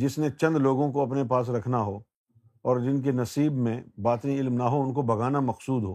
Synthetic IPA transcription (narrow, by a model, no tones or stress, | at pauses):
d͡ʒɪsnet͡ʃɐ̃nd̪loːɡõkoɐpnepaːs̬ɾɐkʰnaɦoː | ɔːɾd͡ʒɪnk̬enɐsiːbmẽbaːt̪ẽɪlmnaɦoʊnkobʱɐɡaːnamɐqsuːd̪ɦoː